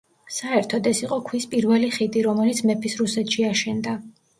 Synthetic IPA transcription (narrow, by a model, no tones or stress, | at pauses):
saɛɾt̪ʰɔd̪ɛsiqʼɔkʰwispʼiɾvɛliχid̪ʼiɾɔmɛlit̪sʰmɛpʰisɾusɛt̪ʰʃiaʃɛnd̪a